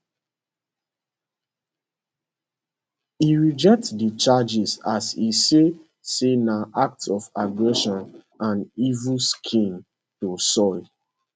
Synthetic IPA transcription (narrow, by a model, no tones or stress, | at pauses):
iɹid͡ʒɛk̚tsdit͡ʃad͡ʒisasise | senaʔak̚tɔfaɡɹɛʃɔ̃n | ãnivuskʰĩn | tosɔɪ